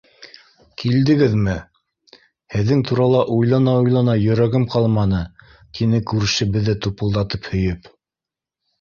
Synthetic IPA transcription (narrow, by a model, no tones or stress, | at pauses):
kild̪ɘ̆ɡɘðmɘ | hɘ̆ðːɘŋt̪uɾɑlˠɑʔujlˠɑnɑujlˠɑnɑjɵ̆ɾæɡɘmqɑlˠmɑnɤ | t̪ʰinɘkʉɾɘ̆ʃɘ̆bɘ̆ðːɘt̪upɤ̆lˠd̪ɑt̪ɤphɵ̆jɵp